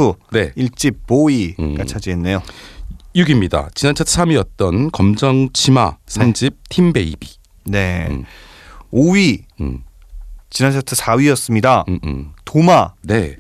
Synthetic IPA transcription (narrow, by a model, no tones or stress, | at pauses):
une̞iɭt͡ɕ͈ip̚p͈oiɡat͡ɕʰad͡ʑienːe̞jo | juɡimɲida̰t͡ɕinant͡ɕʰʌtʰɯ̥sʰamɥiʌt̚t͈ʌnkʌmd͡ʑʌŋt͡ɕʰima̰sʰand͡ʑip̚tʰimbe̞ḭbi | ne̞ | oɥi | t͡ɕinant͡ɕʰatʰɯsʰaɥijʌs͈ɯmɲidatomane̞